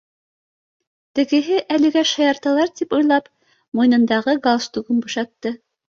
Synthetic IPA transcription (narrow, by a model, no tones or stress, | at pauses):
t̪ɘ̆ɡɘ̆ɦɘʔælɘ̆ɡæʃɑjɑɾt̪ɑlˠɑɾt̪ipɤ̆jlˠɑp | mujnɤ̆nd̪ɑʁɤɡalˠst̪uɡɤnbŭʃɑt̪ːɤ